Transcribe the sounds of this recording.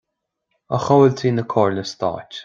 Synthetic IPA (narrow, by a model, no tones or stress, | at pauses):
əxɔwəlt̪ʰiːnəkʰɔːɹləst̪ɑ̰ːtʲ